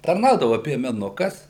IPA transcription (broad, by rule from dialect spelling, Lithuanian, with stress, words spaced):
tɐrˈnɐʊdɐʋɐ pʲiɛmʲɛˈnʊkɐs